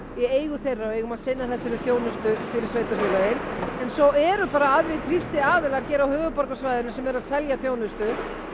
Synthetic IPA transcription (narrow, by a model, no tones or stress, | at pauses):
jɛeːjɣʏθejrːaɔeːjɣʏmaðsɪnːaθɛsːɪɾʏθjoːwnʏst̪ʏfɪɾɪɾ̥sveːjt̪aɾfɔlajɪnɛnsɔɛɾʏpaːɾaaðɾɪθɾist̪ɪaːðɪlaɾ̥çɛːɾawhœːvʏpɔɾkasvajðʏnʏsɛmɛɾaðsɛljaθjoːwnʏst̪ʏ